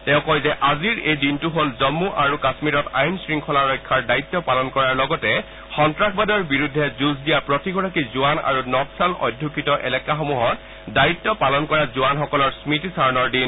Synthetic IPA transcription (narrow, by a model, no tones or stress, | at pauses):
tɛ̃ʊ̃kɔjzɛʔaziɹejdintuɦolzɔmːuʔaɹukasmiɹɔtajnsɹiŋkʰɔlaɹɔjkʰːaɹdaitːɔpalɔnkɔɹaɹlɔɡɔtɛ | xɔntɹakʰbadɔɹbiɹudʱːɛzuzdijapɹɔtiɡɔɹakizuana̰ɹunɔtsalɔ̰dʱːukʰitɔʔɛlɛkaxomuɦɔt | daitːɔpalɔnkɔɹazuanxɔkɔlɔɹsmitisaɹɔnɔɹdin